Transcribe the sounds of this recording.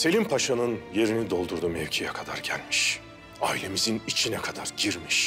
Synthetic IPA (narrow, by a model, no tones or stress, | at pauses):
se̞lʲimpʰaʃanɯnje̞ɾinid̪o̞lˠd̪uɾd̪umɛvʲcʰijɛkʰad̪a̰ɾɟælʲmiʃ | aːilʲe̞mizinit͡ʃʰinɛkʰad̪aɾɟiɾmiʃ